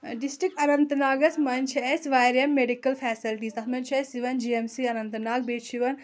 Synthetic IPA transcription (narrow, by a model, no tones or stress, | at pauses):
ɖisʈɾik̚ʈɐnɐnt̪naːɡɐsmɐnʲt͡ʃʰɐesʋaːjɾjɐmːeɖikɐlfʰɛːsilʈiːst̪ɐt̪ʰmɐnt͡ʃʰɐsiʋɐnd͡ʒiemsiɐnɐnt̪naːɡ̚beːʃʰiʋɐn